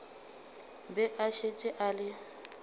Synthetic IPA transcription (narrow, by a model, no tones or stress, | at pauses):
bɛʔaʃet͡ʃʼɪʔalɪ